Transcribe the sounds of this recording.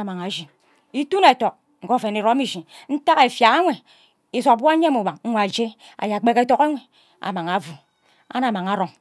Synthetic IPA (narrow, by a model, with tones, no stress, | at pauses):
a˨ma˨ŋa˨d͡ʒi˨ | i˦tu˦ne˨to˨k̚ | ŋ̩˨ko˦˨fe˨ni˨ɾo˦mi˦˨ʒi˨n̩˦ta˦ke˨fja˨ɣa˦ŋʷe˨ | i˨zo˨kbʷa˦ɲ˦e˦mu˨wa˨ŋ̩˦ŋʷa˨d͡ʒe˦ | a̰˨ja˨k͡pe˦ke˦to˦ka˦wʷe˨ | a̰˨ma˨ŋa˨˦vu˨ | a̰˦na˨ma˨ŋa˨˦ɾo˨ŋ